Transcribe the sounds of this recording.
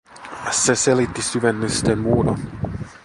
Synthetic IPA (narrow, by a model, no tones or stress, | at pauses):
seselit̪ːisyʋenːyst̪enmuːɾɑ